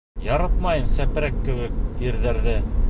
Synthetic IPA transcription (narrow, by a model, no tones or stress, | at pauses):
jɑɾɑt̪mɑjɤmsæpɾækːɘ̆wɘkiɾðæɾðɘ